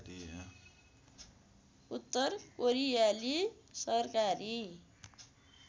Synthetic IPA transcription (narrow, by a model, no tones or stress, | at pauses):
i | ut̪ːʌrkoɾijalisʌrkaɾi